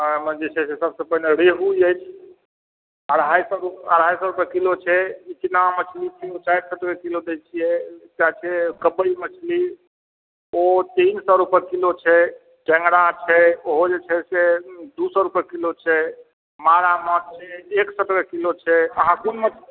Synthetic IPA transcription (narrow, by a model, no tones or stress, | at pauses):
md͡ʒet͡ʃʰɛsesəbsəpəɦneɾeɦuiəjt͡ʃʰ | əɽʱajsɔɾupəɽ̤ajsɔɾupəɾkilot͡ʃʰɛit̪namət͡ʃʰlit͡ʃʰiot͡ʃaiɾsəʈɡekilod̪et͡ʃʰijɛkat͡ʃʰɛkəbəimət͡ʃʰli | ot̪insɔɾupəɾkilot͡ʃʰɛ | ʈɛ̃ŋɡɽat͡ʃʰɛoɦod͡ʒet͡ʃʰɛsed̪usəɾupəɾkilot͡ʃʰɛ | maɾamɔtt͡ʃʰɛeksəʈɡəkilot͡ʃʰɛəɦãsinmət͡ʃʰ